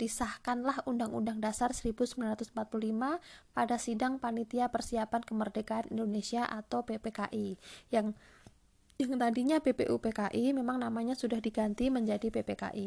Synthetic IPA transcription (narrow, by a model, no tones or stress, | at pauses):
pisahkanlahundaŋṵndaŋdasarsəɾibusəmbilanrat̪ʊsmpat̪̚pululimapadasidaŋpanit̪iapərsiapankəmərdeɡaanḭndonesiaʔat̪awpepeka̰ʔijaŋ | jaŋt̪adiɲabepḛʔupekaʔimemaŋnamaɲasudahdiɡant̪iməɲd͡ʒadipepeka̰ʔi